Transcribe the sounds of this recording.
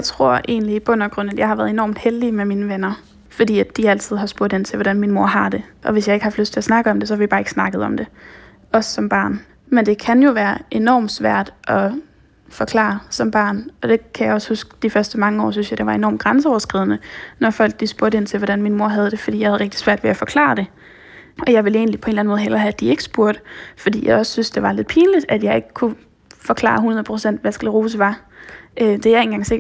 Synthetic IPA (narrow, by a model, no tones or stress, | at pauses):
jjaɪt͡sʰʁo̝ɐ̰ʔe̝̰ːnliːb̥ɔ̽n̰ɒɡ̥ʁɔ̽n̰æd̥jɑ̈ɪhɑʋæːɐðˠe̝nɒ̰ːmd̥held̥imemiːnəʋenɐ | fɒ̽dḭːæd̥iæl̰t͡sʰið̞̰ˠɦɑ̈sb̥oɐ̰ɾe̝nt͡sʰe̝ʋɒɾænminmo̝ɐ̰ɦɑ̈d̥e̝ʔɒ̽ʋe̝sjɑ̈eɡ̥hɑ̈fløsd̥t͡sʰe̝æsnɑ̈ɡ̥əɒ̽md̥e̝s̬ɒ̽hɑʋib̥ɑːe̝ɡ̥snɑ̈ɡ̥əð̞̩ˠɒ̽md̥e̝ | ɒ̽sːɒ̽mb̥ɑ̈ːn | mend̥e̝kʰænjo̝ʋæːɐʔe̝nɒ̰ːm̥sʋæɐ̰d̥ʔɒ̽ | fɒ̽kʰlɑ̰̈ːsɒ̽mb̥ɑ̰̈ːnɒ̽d̥e̝kʰæjɑɪɒ̽shusɡ̥d̥ifɶɐsd̥əmɑ̈ŋəɒ̰ːs̬ynsjɑd̥eʋɑ̈e̝nɒ̰ːmɡ̥ʁansəɒʊɐsɡ̥ʁið̰ˠnənɒfɒ̽l̰ɡ̥̚lisb̥uɐɾəe̝nt͡sʰe̝lʋɒɾ̥ænminmo̝ɐ̰ɦæð̞ˠd̥e̝fɒd̥ḭjɑhæð̩ˠʁɡ̥̚d̥i̥sʋæɐ̰d̥ʋe̝æfɒ̽kʰlɑ̰̈d̥e̝ | ɒ̽jɑ̈ɪʋe̝le̝ːnlipʰɒ̽e̝nlæn̩moð̩ˠɦel̰ɐɦæd̥ie̝ɡ̥sb̥uɐd̥fɒ̽d̥ḭːjɑ̈ɪɒ̽ssynsd̥e̝ʋɑ̈le̝ð̥ˠpʰiːnlid̥æd̥jɑ̈ɪe̝ɡ̥əkʰu | fɒ̽kʰlɑ̰̈ːɑhunɐð̩ˠpʰʁosen̰d̥ʋæsɡ̥ælʁuːs̬əʋɑ̈ | ød̥e̝jɑ̈e̝n̩ɡɑ̈ŋse̝ɡ̥ɐ̥